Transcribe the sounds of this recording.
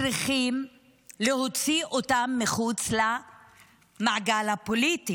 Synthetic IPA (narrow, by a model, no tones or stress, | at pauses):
ɾiχim | leɦo̞t͡siʔo̞tamːeχut͡sla | maʕaɡalhapo̞liti